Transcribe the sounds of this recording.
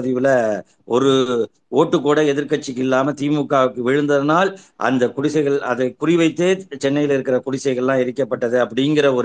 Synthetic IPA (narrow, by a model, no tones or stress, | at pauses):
ɐðɪʋɪlɐ | ɔɾɯ | oːʈːɯkːoːɽɐɛðɪɾkɐʈ̚t͡ʃːɪkːɪlːaːmɐt̪iːmʊkːaːʋɯkːɯʋɪɻɯnd̪ɐðɐnaːlʔɐ̰nd̪ɐkʊɽɪsɐɪɣɐɭɐðɐkʊrɪʋɐɪt̪ːeːt͡ʃɛnːɐjɪlɪɾɯkːɪrɐkʊɽɪsɐɪɣɐɭlãːɪɾɪkːɐpːɐʈːɐðɯɐpːɐɽɪŋɡɪrɐɔɾ